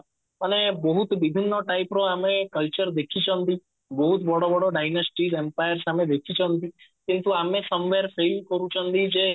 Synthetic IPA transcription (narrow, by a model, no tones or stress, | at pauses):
ənebəɦut̪ʋibʱinːoʈajpɾoamekəlt͡ʃəɾd̪ekʰit͡ʃʰənt̪i | bɔɦut̪bɔɽobɔɽoɖajnəsʈizempajəɾsamed̪ekʰit͡ʃʰənt̪ikint̪uamesəmʋeɾpʰelkəɾũt͡ʃʰɔnt̪id͡ʒe